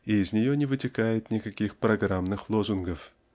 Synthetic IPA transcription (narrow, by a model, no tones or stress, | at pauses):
iːzʲnʲɪjo̞nʲɪvɨtʲɪkajɪt̪nʲɪkɐkʲixpɾɐɡramnɨxlˠozʊnɡəf